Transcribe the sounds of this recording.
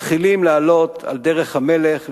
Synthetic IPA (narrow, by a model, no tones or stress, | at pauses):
χilimlealo̞t̪a̰ld̪eʁeχhameleχ